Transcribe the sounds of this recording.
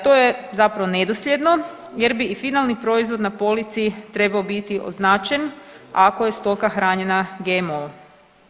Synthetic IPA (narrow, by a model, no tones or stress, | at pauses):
t̪o̞jezapɾaʋone̞d̪oslʲje̞d̪no̞ | je̞ɾbiːfinalˠnipɾo̞izʋo̞d̪napo̞lit̪sit̪ɾe̞baobit̪iʔo̞̰znaːt͡ʃe̞nako̞je̞st̪o̞kaxɾaːɲe̞naɡemo